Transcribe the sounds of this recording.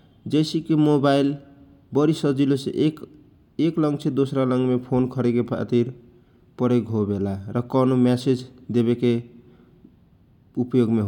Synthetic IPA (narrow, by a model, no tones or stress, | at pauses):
d͡ʒejsikemobail | bʌɾisəd͡ʒilosḛʔk | eklʌŋɡt͡ʃʰed̪osɾalʌŋɡmepʰonkʰʌɾekepʰa̰t̪iɾ | pʌɾekɦobelaɾʌkɔnomesed͡ʒd̪eβeke | upjoɡmeɦ